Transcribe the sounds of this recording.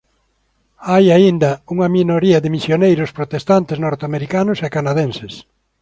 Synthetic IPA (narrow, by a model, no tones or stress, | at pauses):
ajaind̪ɐuŋɐminoɾiɐðɪmisjonejɾʊspɾot̪est̪ant̪ɪznoɾt̪eameɾikanʊsekanaðẽnses